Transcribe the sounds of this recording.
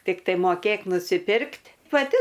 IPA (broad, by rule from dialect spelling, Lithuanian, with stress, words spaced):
tʲɪkˈtɐɪ moːˈkʲeːk nʊsʲɪˈpʲɪrktʲ pɐˈtʲɪ